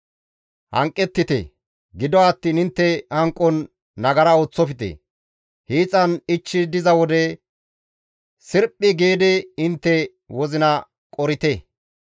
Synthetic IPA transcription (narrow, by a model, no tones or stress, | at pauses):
hɐ̰ŋkʼːɛt̪ːɪt̪ḛ | ɡɪd̪ɔːt̪ːiːnɪnt̪ːɛhɐŋkʼːɔnː | ɐɡɐɾɐo̞ːt͡sːɔfɪt̪ɛ̰ | hiːt͡sʼːɐnɪt͡ʃːɪd̪ɪzɐwɔd̪ɛ | sɪɾpʼːɪɡe̞ːd̪ɛɪnt̪ːɛ | wɔzɪnɐ | kʼɔɾɪt̪e